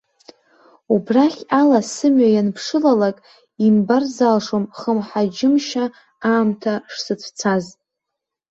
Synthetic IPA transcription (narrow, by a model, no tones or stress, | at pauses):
ubraχʲalasɨmɥajanpʰʂɨlalakʼ | imbarzalʂomχəmħad͡ʒɪmʃa | aːmtʰaʂsɨt͡sʷʰt͡sʰazʼ